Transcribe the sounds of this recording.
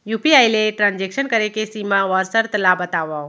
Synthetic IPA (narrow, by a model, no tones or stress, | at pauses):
juːpiajleʈɾãːnd͡ʒekʃənkəɾekesimãʋɔɾsəɾt̪labət̪aːʋa